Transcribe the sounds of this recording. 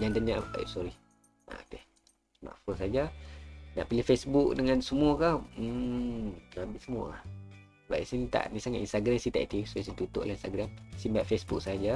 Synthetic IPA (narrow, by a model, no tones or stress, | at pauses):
d͡ʒand̪aɲaʔa̰sɔɾi | a̰ʔt̪eh | ma̰ʔfonsad͡ʒana̰ʔpilihfesbuk̚dəŋansəmuakahm̩ | lambiʔsəmua̰h | ba̰j̰ʔsinit̪a̰ʔnisaŋat̪inst̪aɡɾɛmsit̪a̰ʔit̪isos̬it̪ut̪ʊ̰ʔlahinst̪aɡɾɛmsimbaʔfesbuk̚sad͡ʒa